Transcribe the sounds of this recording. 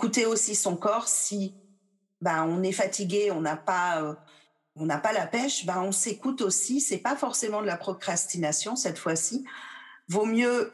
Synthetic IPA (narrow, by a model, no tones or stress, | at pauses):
kut̪eosisɔ̃kɔʁsi | baɔ̃nɛfat̪ʰiɡʲeɔ̃napaø | ɔ̃napalapɛʃbaɔ̃sekut̪osisɛpafɔʁsemɑ̃d̪əlapχɔkχast̪inasjɔ̃sɛt̪fwasi | vomjø